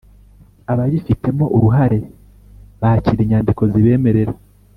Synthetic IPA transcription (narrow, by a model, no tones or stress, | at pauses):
aβaβifite̞mo̞ʔuɾuɦaɾe̞ | βaciɾiɲaːndiko̞ziβe̞ːme̞ɾe̞ɾa